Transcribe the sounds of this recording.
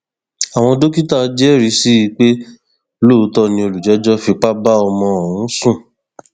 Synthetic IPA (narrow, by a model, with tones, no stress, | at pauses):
a˨w̃ɔ̃˧do˦ki˦ta˦˨˦d͡ʒɛ˦˨ɾi˧˦si˦i˧k͡pe˦ | lo˦˧˦tɔ˦nĩ˧o˧lu˨d͡ʒɛ˨˦d͡ʒɔ˦fi˧k͡pa˦ba˦ɔ˧mɔ̃˧˨ũ˨˦sũ˦˨